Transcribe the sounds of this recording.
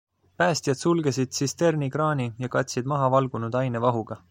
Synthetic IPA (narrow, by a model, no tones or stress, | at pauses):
pæːst̪jɑd̪̥sulɡ̥e̞sid̪̥sist̪e̞rnikrɑːnʲijɑkɑt̪ʲsid̪mɑɦɑvɑlɡ̥unud̪ɑjnevɑɦuɡ̥ɑ